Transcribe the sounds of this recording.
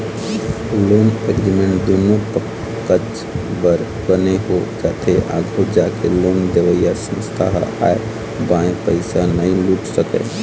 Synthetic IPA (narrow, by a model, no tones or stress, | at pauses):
loːmekɾimẽɳʈd̪oːnopə | kəd͡ʒ | bəɾ | bəneɦod͡ʒaːt̪ʰeʔa̰ɡʱod͡ʒakeloːmd̪eʋəijasə̃st̪ʰa̰ɦa̰ːe | bãẽpəɪsanəĩluːʈsəkḛ